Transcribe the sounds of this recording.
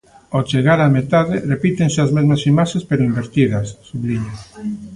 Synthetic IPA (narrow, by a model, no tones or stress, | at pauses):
ot͡ʃeɣ̞aɾamet̪aðerepit̪enseazmezmasimaʃespeɾoimbeɾt̪iðasːuβliɲa